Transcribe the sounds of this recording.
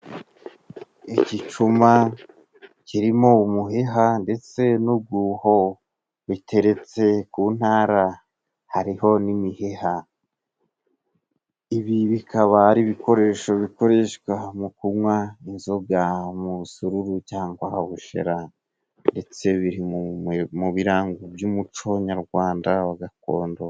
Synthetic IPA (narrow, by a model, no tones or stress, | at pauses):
icit͡ʃuma | ciɾimoumuɦeɦande̞t͡se̞nub̚ɡuho | βitʰe̞ɾe̞t͡se̞kuːn̥haːɾa | haɾiho̞nimiheha | iβiβikʰaβaɾiβiko̞ɾe̞ːʃo̞βiko̞ɾe̞ʃkwamukuwainzo̞bjamuβusuɾuɾucaːŋɡwahaβuʃḛɾa | nde̞t͡se̞βiɾimumuβiɾaːŋɡubjumut͡ʃo̞ɲaɾɡwaːndaβaɡako̞̰ːndo